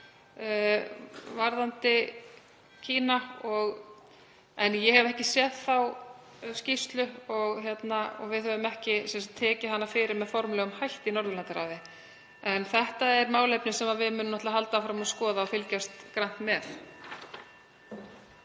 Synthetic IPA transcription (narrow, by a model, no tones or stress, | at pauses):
vaɾðant̪ɪ | cʰiːnaɔɣ | ɛnjɛhɛvɛhcɪsjɛðθaw | scist̪lʏɔɣçjɛt̪naɔ̰ɣvɪðhœvʏmɛhcɪsɛnsat̪ʰːɛːcɪhanːafɪːɾɪɾmɛðfɔɾmlœːɣʏmhajl̥t̪inɔɾðʏlant̪ɪɾa̰wðɪ | ɛnθɛht̪aɛɾmaːwlejpnɪsɛmaðvɪðmʏnːʏmnɔt̪aɦalt̪afɾamaðskɔːðaɔfɪlcast̪kɾan̥t̪mɛθ